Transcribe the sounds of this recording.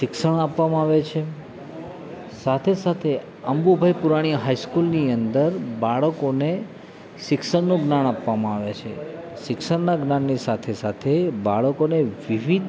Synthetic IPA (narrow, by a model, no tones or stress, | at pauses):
ʃɪkʃəɽ̃apʋamãaʋet͡ʃʰe | sat̪ʰesat̪ʰe | əmbubʱajpuɾaɽ̃iɦajskulniənd̪əɾbaɭəkone | ʃɪkʃəɳnũɡnaɳ̃apʋamãaʋet͡ʃʰḛ | ʃɪksəɽnaɡnanːisat̪ʰesat̪ʰebaɭəkoneʋiʋid̪